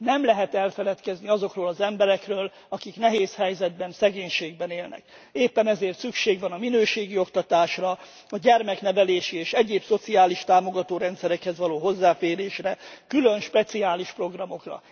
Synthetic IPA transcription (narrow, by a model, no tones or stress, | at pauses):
nɛmlɛɦɛt̪ɛlfɛlɛt̪kɛzniɒzo̞krøːlɒzɛmbɛɾɛkrøːl | ɒkiknɛɦeːshɛjzɛd̪̚bɛnsɛɡeːɲʃeːɡ̚bɛneːlnɛ̰keːpːɛnɛzeːrt̪sykʃeːɡʋɒnɒminøːʃeːɡio̞kt̪ɒt̪aːʃrɒ | ɒɟɛrmɛknɛvɛleːʃieːʃɛɟeːbso̞t̪siaːliʃt̪aːmo̞ɡɒt̪oːɾɛnt̪sɛɾɛkhɛzʋɒloːɦo̞zːaːfeːɾeːʃrɛkylønʃpɛt̪siaːliʃpro̞ɡrɒmo̞krɒ̰